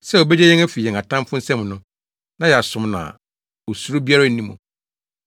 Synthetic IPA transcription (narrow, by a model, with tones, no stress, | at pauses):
sɛ˦o˨bɛ˦d͡ʑɛ˦jɛ˦ŋæ˦fi˨jɛ˨a˨tʰã˦m˦fʊ̃˦n̩˦sɛ̃˦mnʊ̃˦ | nã˦jɛ˨a˨sʊ̃˨mnã̰˨ | o˨su˨ɾu˦bi˦a˦ɾa˦˨n˦nĩ˦mṵ̃˨